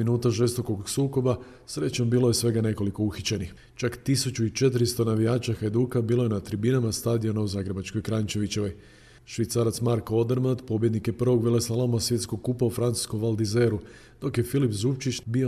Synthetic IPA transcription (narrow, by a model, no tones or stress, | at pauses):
minuːt̪aʒe̞st̪o̞ko̞ɡsuːko̞ba | sɾe̞t͡ɕombiːlˠo̞je̞sʋe̞ɡane̞ko̞liko̞uxit͡ɕenix | t͡ʃakt̪isut͡ʃuit͡ʃe̞t̪̬ɾist̪o̞naʋijaːt͡ʃaxad̪uːkabiːlojenat̪ɾibinamast̪aːd̪io̞nauzaːɡɾebat͡ʃko̞jkɾant͡ʃe̞ʋit͡ɕe̞ʋo̞j | ʃʋit̪saɾat̪smaɾko̞d̪eɾmand̪po̞bje̞d̪nikje̞pr̩ʋo̞ɡʋelesalomasʋje̞t̪skoɡ̚kupaufɾant̪su̥sko̞mʋalˠd̪ize̞ɾu | d̪̥o̞kje̞filipzupt͡ʃit͡ʃbio